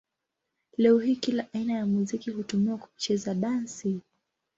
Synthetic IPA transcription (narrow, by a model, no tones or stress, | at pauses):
lɛɔɦiːkilaʔainajamuzikihutumiwaku̥t͡ʃɛzaɗansi